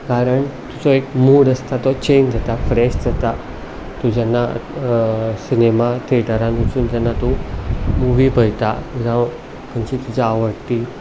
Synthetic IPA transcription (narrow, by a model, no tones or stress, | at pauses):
kaɾəɳt̪ut͡sɔekmuːɽəst̪at̪ɔt͡ɕend͡zʱat̪afɾɛɕd͡zat̪a | t̪ud͡ʑanːa | sinemat̪ʰeʈaɾãnd̪it͡suːnt̪anːat̪umuɡipəjt̪at̪ud͡ʑã | kənt͡ɕit̪ud͡ʑaːʋəɽt̪i